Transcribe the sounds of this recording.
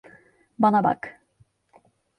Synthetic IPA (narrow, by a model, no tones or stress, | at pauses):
banaba̰k